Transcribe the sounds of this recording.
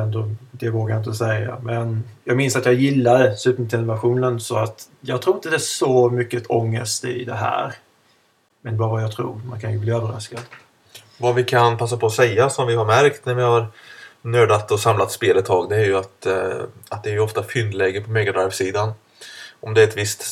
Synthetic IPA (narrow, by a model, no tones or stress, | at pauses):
ɛnd̪ɔd̪ɛvoːkajɪnt̪əɔsɛjːa̰mɛnjɑːɡmɪnsat̪jɑːɡjɪlːad̪ɛsʉ̟t̪əmt̪ʰɪlvæɧuːnnənsɔat̪ | jɑːɡ̚t̪ʰɾuːɪnt̪əd̪ɛæʂɔmʏkːət̪ʰɔŋːəst̪ɪ̰d̪ɛɦæ̰ːɾ | mɛnbɑːɾəvajɑɡt̪ʰɾṵːɾma̰nkʰanjɵbliːøːvəɾa̰skad̪̥ | vavɪkʰanpʰasːapʰɔːsɛjːasɔmvɪhaɾmæɾkt̪næɾvɪhaɾnøːd̪at̪ːɔsamlat̪speːlɛt̪ʰːɑːɡd̪ɛæɾjɵat̪ | at̪̚d̪ɛːɾjɵɔft̪afʏnd̪lɛːɡəpʰɔmɛɡad̪ɾajvsiːd̪an | ʔɔmd̪ɛɾɛt̪vɪst̪